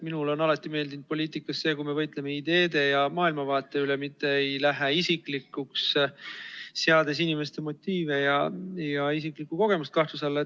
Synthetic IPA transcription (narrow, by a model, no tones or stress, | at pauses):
minulo̞nɑlɑt̪ːˑime̞ːld̪ind̪̚po̞lʲiːt̪ˑikːˑɑsse̞ːkujme̞vɤjt̪ˑle̞me̞id̪e̞ːd̪e̞jɑmɑːilmɑvɑːt̪ːˑe̞ylemit̪ːe̞ejlæɦeisiklikːuks | eɑd̪es̬inime̞st̪e̞mo̞t̪ʲːiːve̞jɑjɑisiklikːˑuko̞ɡ̥e̞must̪kɑht̪us̬ɑlːe